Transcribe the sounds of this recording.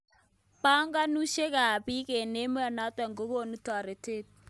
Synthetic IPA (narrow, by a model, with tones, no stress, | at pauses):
pa˦ŋɡa˦nu˦ʃe˦ka˨pi˦ke˨ne˦me˦a˨na˨˦twɛ˨ŋɡo˦ko˦˨nu˦twa˨ɾe˨te˦˨t̚